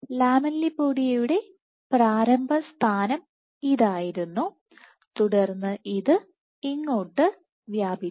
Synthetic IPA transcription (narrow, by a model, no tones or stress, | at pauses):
laːmɐlːipːoːɽijɐjuɽe̞ | praːɾɐmbʱɐst̪ʰaːnɐm | iðaːjiɾunːu | t̪uɽɐrnːɨʔiðɨ | iŋːoːʈːɨ | ʋjaːbi